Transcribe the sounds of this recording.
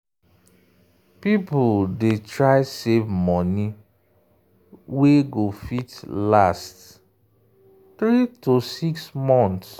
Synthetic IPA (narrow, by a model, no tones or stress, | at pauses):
pipʊdetɹaɪsevmɔni | weɡofitlast | θɾitosiksmɔ̃nts